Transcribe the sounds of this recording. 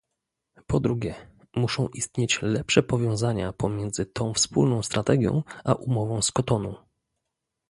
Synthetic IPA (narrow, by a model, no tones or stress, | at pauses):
pɔd̪ɾuɡʲɛ | muʂɔ̃w̃ʔist̪ɲet͡ɕlɛpʂɛpɔvʲjɔ̃w̃zaɲapɔmʲjɛnd̪zɘt̪ʰɔ̃w̃fspṵlnɔ̃w̃st̪ɾat̪ɛɡʲjɔ̰̃w̃ʔaʔumɔvɔ̃w̃skɔt̪ɔnu